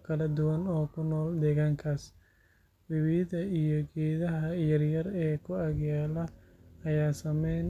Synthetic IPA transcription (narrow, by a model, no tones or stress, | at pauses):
kʰɐlɐd̪ʊwɐnɔːkʰʊnɔːld̪ɛːɣaːŋkʰaːs | wɪwiːðɐijɔɡɛːðɐɦɐjɐrjɐrɛːkʰʊɐɡjaːlɐ | ɐjaːsɐmɛjn